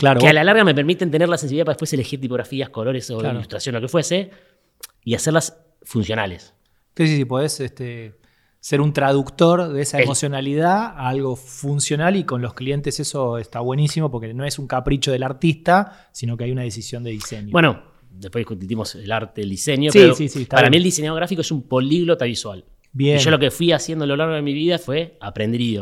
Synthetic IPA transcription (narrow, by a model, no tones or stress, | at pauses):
klaɾokealalaɾɣamepeɾmit̪ent̪eneɾlasensiðapaðepweselexiɾt̪ipo̞ɣɾafiasko̞lo̞ɾesoaɾlust̪ɾasjonloke̞fwese | iaseɾlas | funsjo̞na̰lḛs | kesisipoð̞eset̪e | seɾunt̪ɾað̞ukt̪o̞ɾðeesaemosjo̞naliðaalɣo̞funsjo̞naliko̞nlo̞sklie̞nt̪e̞seso̞est̪aβwe̞nisimo̞p̬oɾkeno̞esuŋkapɾit͡ʃoð̞e̞laɾt̪ist̪a | sino̞keajunaðe̞s̬isjond̪e̞ðiseɲjobweno | d̪ehpweðikut̪ut̪imoselaɾt̪eðeld̪iseɲjoseiɾosisit̪apaɾamield̪iseɲjaðoɾafikoesumpo̞liɣlot̪aβiswal | bjenʒolokefwiasjend̪ololaɾɣoðemiβiðafwe̞apɾend̪io